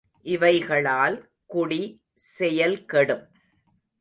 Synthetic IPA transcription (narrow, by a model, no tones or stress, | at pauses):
ʔɪʋɐɪɣɐɭaːl | kʊɽi | sɛjɐlkɐɽɯm